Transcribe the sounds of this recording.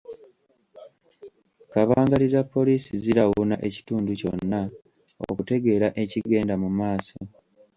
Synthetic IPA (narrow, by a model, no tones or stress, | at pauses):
kaβaːŋɡalizapːo̞liːsiziɾawuna̰ʔe̞ci̥tuːnduco̞̰nːa | o̰kute̞ɡe̞ːɾaʔe̞ciɡe̞ːndamumaːso